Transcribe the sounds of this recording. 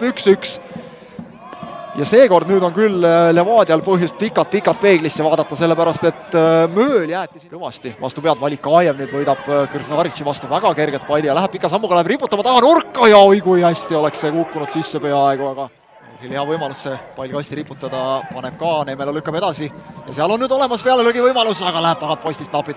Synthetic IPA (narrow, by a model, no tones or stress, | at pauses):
yksyks | jɑse̞ːko̞rd̪nyːd̪o̞nkyllemɑːd̪̥ʲiɑlpɤɦjust̪̚pikːˑɑlt̪̚pikːˑɑt̪̚pe̞ːɡlisːevɑːd̪ɑt̪ːˑɑse̞lːe̞pæɾɑst̪et̪ːˑmøːljæːt̪ːˑisint̪ɤvɑsʲt̪ivɑ̰st̪upeɑd̪̥vɑlʲikːɑɑjemniyd̪vɤjd̪ɑb̥kyrsnɑɾit͡ʃivɑst̪uvæɡ̥ɑke̞rɡet̪pɑjld̪ʲijɑlæɦæ̥pikˑːɑsɑmːuɡ̥ɑlæɦe̥ripːˑut̪ːɑmɑt̪ɑhɑnurkːɑjɑojkujæsʲt̪io̞le̞kssekukːunud̪̥sisːe̞pe̞ɑɑeɡ̥uɑɡ̥ɑ | ḛlhiliɑvɤjmɑlusːepɑjlʲkɑst̪iɾipːˑut̪ːˑɑd̪̥ɑpɑne̞b̥̚kɑnemelolykːˑɑbe̞d̪ɑsijɑseɑlo̞nːyːd̪o̞le̞mɑspeɑleluɡivɤjmɑlusɑɡ̥ɑlæɦæb̥̚t̪ɑhɑt̪̚post̪ist̪nɑpːˑid̪̥